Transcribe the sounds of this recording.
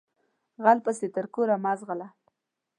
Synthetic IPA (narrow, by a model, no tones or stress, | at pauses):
ɣalpaset̪əɾkoɾamazʁala